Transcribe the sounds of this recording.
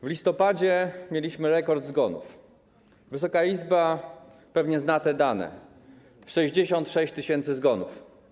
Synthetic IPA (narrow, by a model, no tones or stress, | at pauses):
vlʲist̪ɔpad͡ʑɛmʲjelʲiɕmɘɾɛkɔɾd̪zɡɔnṵf | vɘs̬ɔkaizba | pɛvɲɛznat̪ɛd̪anɛ̰ | ʂɛʑd͡ʑeɕɔnt̪ʂɛɕt͡ɕt̪ɘɕɛnt̪sɘzɡɔnuf